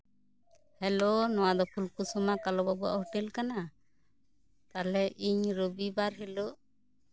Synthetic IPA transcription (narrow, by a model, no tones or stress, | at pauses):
hɛlonɔwad̪ɔpʰulkusɔmakalɔbabua̰hɔʈelkana | t̪alɛʔiɲɾobibaɾɦɛloʔ